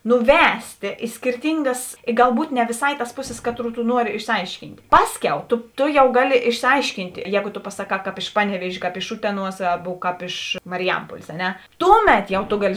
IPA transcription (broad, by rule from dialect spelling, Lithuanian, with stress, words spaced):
nʊˈʋʲæːsʲtʲeː ɪ sʲkʲɪrʲˈtʲɪŋɡɐs ɪ ɡɐlˠˈbuːt nʲɛ ʋʲeːˈsɑː ɪ tɐs ˈpʊˌsʲɪs ˈkɑːˌtruː tʊ ˈnuɔrʲɪ ɪʃʲsʲɪˈɐɪʃʲkʲiːnʲtʲ ˈpɑːˌsʲkʲɛʊ toː toː jɛʊ ˈɡɑːˌlʲɪ ɪʃʲsʲɪˈɐɪʃʲkʲiːnt ˈjɛːɡoː toː pɐsɐˈkɑː kɑːp ɪʃ ˈpɑːnʲɛˌʋʲiɛʒʲeː kɑːp ɪʃ ˈʊtʲɛˌnuɔs ˈɑːbʊ kɑːp ɪʃ ˈmɑːrʲɪˈjɛmpuɔlʲeːs ɐ ˈnʲɛ ˈtuːˌmʲɛt jɛʊ toː ˈɡɑːˌlʲɪ